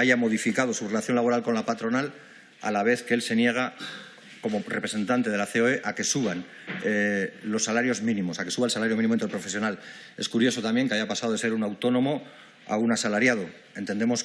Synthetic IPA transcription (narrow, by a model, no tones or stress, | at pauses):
aʝamo̞ð̞ifikað̞o̞sure̞laθjo̞nlaβ̞o̞ɾalko̞nlapat̪ɾo̞nal | a̰laβ̞e̞θkeelse̞nje̞ɣ̞a | ko̞mo̞repɾese̞nt̪ant̪e̞ð̞e̞laθeoeʔake̞suβan | lo̞sːalaɾjo̞zmĩnĩmo̞sake̞suβaelsalaɾjo̞minimoint̪epɾo̞fe̞sjo̞nal | e̞skuɾjo̞so̞t̪ambje̞ŋkeaʝapasaðoe̞se̞ɾunawt̪o̞no̞mo̞ | a̰unasalaɾjað̞o̞ | e̞nt̪e̞nd̪emo̞s